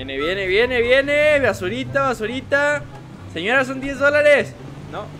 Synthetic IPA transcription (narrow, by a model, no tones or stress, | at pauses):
jeneβjeneβjeneβjeneβasuɾit̪aβasuɾit̪a | seɲoɾas̬ond̪je̞zðolaɾes | no